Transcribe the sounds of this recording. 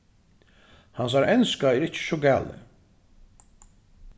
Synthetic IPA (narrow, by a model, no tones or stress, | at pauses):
hans̬aɾɛnskaɛːɾɪt͡ʃːə̥ʃɔɡæːlɪ̰